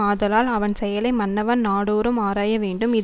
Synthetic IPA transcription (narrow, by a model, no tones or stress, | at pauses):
aːðɐlaːlɐʋɐnsɛjɐlɐɪmɐnːɐʋɐnnaːɽoːɾɯmaːɾaːjɐʋeːɳɖɯmɪ